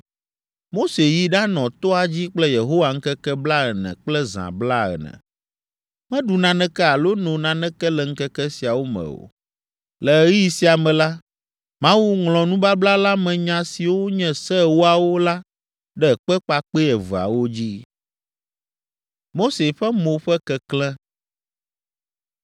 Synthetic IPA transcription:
mo˦se˨ji˦ɖã˦nɔ̃˨t̪ɔ˦a˨d͡ʑi˦k͡plɛ˦je˨ɦo˦wa˨ŋ̩˦kɛ˦kɛ˦bla˦ɛ˨nɛ̰̃˨k͡plɛ˦zã̰˨bla˦ɛ̰˨nɛ̰̃˨ | mɛ̃˦ɖu˨nã˨nɛ̃˦kɛ˦a˨lo˦nõ˨nã˨nɛ̃˦kɛ˦lɛ˨ŋ̩˦kɛ˦kɛ˦si˨a˨wo˦mɛ̰̃˨o̰˨ | lɛ˨˦ɣi˦si˨a˨mɛ̃˨la˦ | mã˦wu˦ŋlɔ̃˨nũ˦ba˦bla˦la˦mɛ̃˨ɲã˨si˨wo˦ɲɛ̃˦sɛ˦wo˦a˨wo˦la˦ | ɖɛ˦˨k͡pɛ˦k͡pa˦k͡pe˦ɛ˨vu˨a̰˨wo˦d͡ʑi˦ | mo˦se˨ɸɛ˦mo˨ɸɛ˦kɛ˦klɛ̃˦

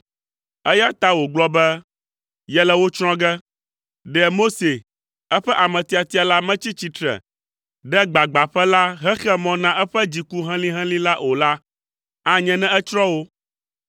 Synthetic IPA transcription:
ɛ˦ja˦t̪a˦wo˨ɡ͡blɔ˦bɛ˦ | jɛ˦lɛ˨wo˦t͡ʃɾ̃ɔ̃˦ɡɛ˦ | ɖɛ˨mo˦se˨ | ɛ˦ɸɛ˦ʔa˨mɛ̃˨t̪i˨a˨t̪i˦a˨la˦mɛ̃˦t͡ɕi˦t͡ɕi˦t̪ɾɛ̰˨ | ɖɛ˦ɡ͡ba˨ɡ͡ba˨ɸɛ˦la˦ɦɛ̃˦xɛ˦mɔ̃˦nã˦ʔɛ˦ɸɛ˦d͡ʑi˨ku˦ɦɛ̃˦lĩ˦ɦɛ̃˦lĩ˦la˦ʔo˨la˦ | ã˨˦ɲɛ̃˦nɛ̃˦ɛ˦t͡ʃɾɔ̃˦wo˦

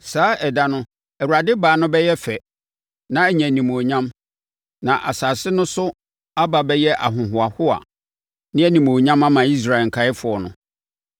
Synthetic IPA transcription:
saː˨˦ɛ˨da˦nʊ̃˦ | ɛ˨wu˨ɾa˨dɪ˦baː˨˦nʊ̃˦bɛ˦jɛ˦fɛ˨ | nã˦æ˨ɲæ̃˨nĩ˨mo˨ɲã˦m | nã˨ʔa̰˨saː˨sɪ˦nʊ̃˦sʊ˦ | a˦ba˨bɛ˦jɛ˦ʔa̰˨ɦʊ̃˨ɦʊ˨a˨hʊ˦a̰˨ | nɪ̃˦æ˦nĩ˨mo˨ɲã˦ma˦mã˨i˦s̬ɾa˨ŋ̩˨kʰa˨˦ɪ˦fʊ˨ɔ˨nʊ̰̃˨

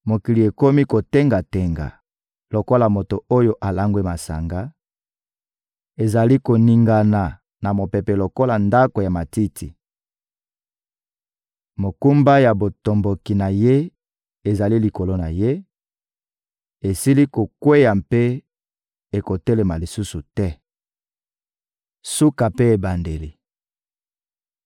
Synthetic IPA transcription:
mo˨ki˨li˨e˨ko˦mi˦ko˨te˦ŋɡa˨te˨ŋɡa̰˨ | lo˨ko˦la˨mo˨to˨o˦jo˦ʔa˨la˦ŋɡwe˦ma˨sa̰˨ŋɡa˦ | e˨za˨li˦ko˨ni˨ŋɡa˨na˨ | na˨mo˨pe˨pe˨lo˨ko˦la˨nda˦ko˨ja˨ma˨ti˦tʰḭ˨ | mo˨ku˦mba˦ja˨bo˨to˨mbo˨ki˨na˨je˦ | e˨za˨li˦li˨ko˨lo˦na˨je˦ | e˨si˦li˦ko˨kwe˦ja˨mpe˦ | e˨ko˨te˦le˨ma˨li˨su˦su˨tɛ˦ | su˦ka˨pe˦e˨ba˨nde˨li˨

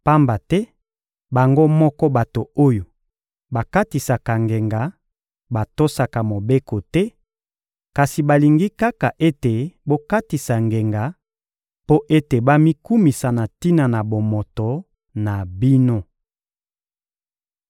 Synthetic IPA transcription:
pa˦mba˨tɛ˦ | ba˨ŋɡo˦mɔ˦kɔ˦ba˨to˨o˦jo˨ | ba˨ka˦ti˨sa˨ka˨ŋɡe˨ŋɡa˨˦ | ba˨to˦sa˨ka˨mo˨be˦ko˨tɛ˦ | ka˨si˨ba˨li˨ŋɡi˦ka˦ka˨ʔe˦te˨bo˦ka˦ti˨sa˨ŋɡe˨ŋɡa˨ | po˦ʔe˦te˨ba˦mi˦ku˦mi˨sa˨na˨ti˦na˨na˨bo˨mo˨to˨ | na˨bi˦no˦

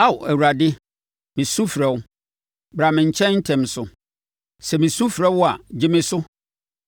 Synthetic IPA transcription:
a˦˨wæ˨wu˨ɾa˨dɪ˦ | mɪ̃˨su˦fɾɛ˨w | bɾa˨mɪ̃˨ɲ̩˨t͡ɕʰɛ̃˦n̩˦tʰɛ̃˨m˨sʊ˨ | sɛ˨mĩ˨su˦fɾɛ˦wʊ˦a˨d͡ʑɪ˦mɪ̃˦sʊ˦

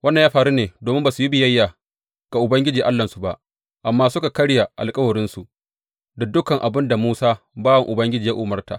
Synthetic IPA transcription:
wɐ˦nːɐ˨jaː˦ɸaː˨ɾuː˦neː˨doː˨mɪ˦mbaː˨su˨ji˦bɪ˨jɐ˦jːa˨ | ɡ̥a˨ʔʊ˨bɐ˦ŋɡʲɪ˦d͡ʒiː˨ʔa˦lːɐ˨nsu˨ba˦ʔ | ʔa˨mːaː˦sʊ˦ka˨kɐ˦ɽja˨ʔa̰˨lkʼɐ˦wɐ˨ɾɪ˦nsu˨ʔ | da˨dʊ˦kɐ˨ŋʔa˨bɪ˦nda˨muː˦saː˦ | baː˦wɐ˨ŋʔʊ˨bɐ˦ŋɡʲɪ˦d͡ʒiː˨ja˦ʔʊː˨mɐ˦rta̰ː˨

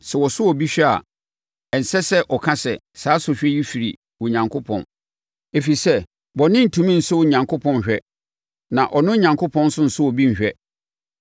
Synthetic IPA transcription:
sɛ˨wɔ˨sʊ˦wɔ˨bi˦ɕᶣɛ˦a̰˨ | ɛ˨n̩˨sɛ˦sɛ˦ʔɔ˨kʰa˦sɛ˨ | saː˨˦sʊ˨ɕᶣɛ˦ji˦fi˨ɾḭ˨ | wɔ̃˨ɲã˨ŋkʰʊ˦pʰɔ̰̃˨n | e˨fi˨sɛ˦ | bɔ˨nɪ̃˦n̩˨tʰũ˨mĩ˦n̩˨sʊ˦wʊ˨ɲã˨ŋkʰʊ˦pʰɔ̃˦n˨ɕᶣɛ˦ | nã˨ʔɔ˨nʊ̃˦ɲã˨ŋkʊ˦pʰɔ̃˦n˦sʊ̃˦n̩˨sʊ˦wɔ˨bi˦n̩˨ɕᶣɛ˦

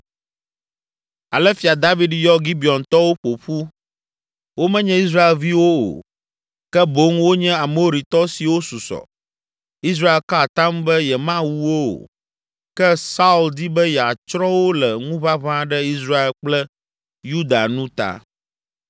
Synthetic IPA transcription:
a˨lɛ˦fi˨a˨d̪a˦vi˦ɖjɔ˦ɡi˦bi˨ɔ˨nt̪ɔ˦wo˦ɸo˨ɸu˦ | wo˦mɛ̃˦ɲɛ̃˦i˦s̬ɾa˦e˨lvi˦wo˦o̰˨ | kɛ˦bo˦ŋwo˦ɲɛ̃˦a˨mo˦o˦ɾi˨t̪ɔ˦si˨wo˦su˨sɔ̰˨ | i˦s̬ɾa˦e˨lka˦˨t̪a˦mbɛ˦jɛ˨mã˦wu˦wo˦o̰˨ | kɛ˦sa˦u˨ld̪i˦bɛ˦jɛ˨a˨t͡ʃɾɔ̃˦wo˦lɛ˨ŋũ˦βa˦βã˦ɖɛ˦i˦s̬ɾa˦e˨lk͡plɛ˦ | ju˦d̪a̰˨nũ˦t̪a̰˨

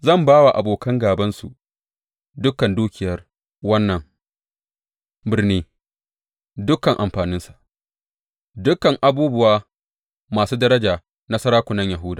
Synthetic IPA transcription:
zɐ˦˨mbaː˦wa˨ʔa̰˨boː˨kɐ˦ŋɡaː˨bɐ˦nsṵ˨ | dʊ˦kɐ˨nduː˦kʲɪ˨jɐ˦r | wɐ˦nːɐ˨ŋ | bɪ˨rniː˦ | dʊ˦kːɐ˨ŋʔa̰˨mɸaː˨nɪ˦nsḁ˨ʔ | dʊ˦kɐ˨ŋʔa˨buː˦bʊ˦˨waː˦ | maː˨suː˦dɐ˦ɾɐ˦d͡ʒaː˨ | nɐ˦sɐ˦ɾaː˦kʷʊ˨nɐ˦ɲja˨ɦʊ˦daː˨

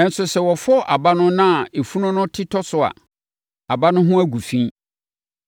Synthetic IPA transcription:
ɛ̃˨n̩˨sʊ˨sɛ˨wɔ˨fʊ˦ɔ˦ʔa˨ba˦nʊ̃˦nã˦˨e˨fu˦nʊ̃˦nʊ̃˦tʰɪ˦tʰɔ˦sʊ˨a̰˨ | a˨ba˦nʊ̃˦ɦʊ̃˦æ˦ɡu˨fĩ˦

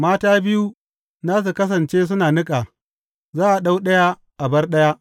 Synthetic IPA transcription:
maː˦taː˦bɪ˦ju˦ | naː˦s̬u˨kɐ˦sɐ˨nt͡ʃeː˦s̬ʊ˦naː˨nɪ˦kʼaː˨ | zaː˦ʔa˨ɗa˦wɗɐ˦ja˦ | ʔa˨bɐ˦rɗɐ˦ja˦ʔ

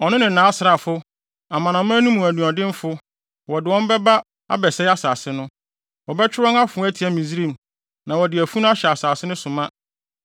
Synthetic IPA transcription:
ɔ˨nʊ̃˦nɪ̃˨nã˨˦sɾa˨fʊ˦ | a˨mã˨nã˨m̃˦nũ˦mũ˨æ˨nũ˨ɔ˨dɪ̃˦m˦fʊ˦ | wɔ˨dɪ˨wɔ̃˦m˦bɛ˦ba˦ | a̰˦bɛ˨sɛ˦a˦saː˨sɪ˦nʊ̃˦ | wɔ˨bɛ˦t͡ɕʰᶣɪ˦ɔ̃˦na˦fʊ̃˨˦æ˦tʰi˨æ˨mĩ˨zɾĩ˨m˨ | nã˨wɔ˨dɪ˨æ˨fu˦nʊ̃˦a˦ɕɛ˨a˨saː˨sɪ˦nʊ̃˦sʊ̃˨mã˦

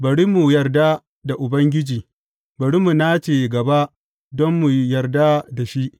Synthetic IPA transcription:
bɐ˨ɽi˦mu˨jɐ˨rda˦ | da˨ʔʊ˨bɐ˦ŋɡʲɪ˦d͡ʒiː˨ | bɐ˨ɽi˦mu˨na˦t͡ʃeː˨ɡɐ˨ba˦ʔ | dɔ˦mːu˨jɐ˨rda˦da˨ʃi˦ʔ

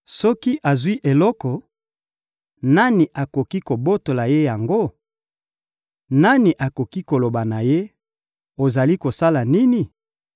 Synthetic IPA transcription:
sɔ˦ki˦ʔa˨zwi˦ʔe˨lɔ˦kɔ˨ | na˦ni˨ʔa˨ko˨ki˦ko˨bo˦to˨la˨je˦ja˨ŋɡo˦ | na˦ni˨ʔa˨ko˨ki˦ko˨lo˨ba˨na˨je˦ | o˨za˨li˦ko˨sa˦la˨ni˦ni˨

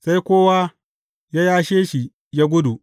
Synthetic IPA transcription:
sa˦jkʷoː˦wa˦ | ja˦jaː˦ʃeː˦ʃi˨ | jaː˦ɡʷʊ˦du˨ʔ

